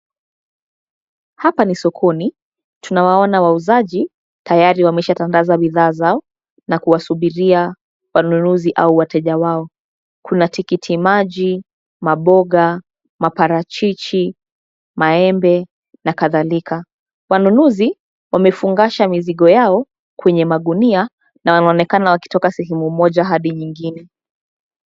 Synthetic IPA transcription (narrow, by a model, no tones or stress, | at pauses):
hapanisɔkʰɔni | tunawaɔnawauzaʄi | tajaɾiwamɛʃatandazaɓiðaːzaɔ | nakuwasuɓiɾia | wanunuziʔauwatɛʄawaɔ | kʰunatikitʰimaʄi | maɓɔɠa | mapaɾat͡ʃit͡ʃi | maɛmbɛ | nakaðalikʰa | wanunuzi | wamɛfuŋɡaʃamiziɠɔjaɔ | kwɛɲɛmaɠunia | nawanaɔnɛkanawaki̥tɔkasɛɦɛmumɔʄaɦaɗiɲiŋɡinɛ